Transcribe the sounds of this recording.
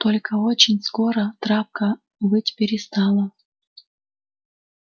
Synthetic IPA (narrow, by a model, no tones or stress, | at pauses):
t̪olʲkəot͡ɕɪnʲskoɾət̪ɾapkə | bɨtʲpʲɪɾʲɪst̪ɑlˠə